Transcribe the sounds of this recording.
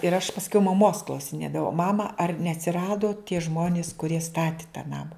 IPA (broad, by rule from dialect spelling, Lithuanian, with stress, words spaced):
ɪr ɐʃ pɐsʲˈkʲɛʊ mɐˈmoːs klˠɐʊsʲɪˈnʲeːdɐʋɐʊ ˈmɑːmɐ ɐr nʲɛɐtʲsʲɪˈrɑːdoː tʲiɛ ˈʒmoːnʲɪs kʊˈrʲiɛ ˈstɑːtʲɪ tɑː ˈnɑːmɐ